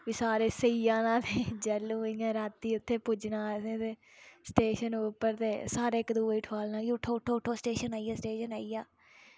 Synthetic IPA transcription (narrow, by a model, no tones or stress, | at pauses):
ʋiːsaːɾeːsəiːjãːnãːt̪ʰeːd͡ʒɛlːũːɪŋãːɾaːt̪ːiːʊt̪ʰːeːpʊd͡ʒnãːsẽːt̪eː | sʈeːʃənuːpːəɾt̪eːsaːɾeːkd̪uːiːʈʰaːlnaːɡiːʊʈʰːoːʊʈʰːoːʊʈʰːoːsʈeːʃənaːijaːsʈeːʃənaːiːjaː